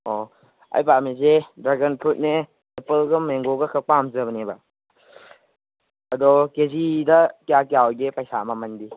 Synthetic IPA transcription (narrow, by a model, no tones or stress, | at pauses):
o | ɐ̰jpamezedɾaɡɐntʰut̚ne | epəlɡɐmeŋɡoɡɐkʰɐk̚pamzɐbɐnebɐ | ɐdɔkezidɐkjakjawɡepɐjsamɐmɐndi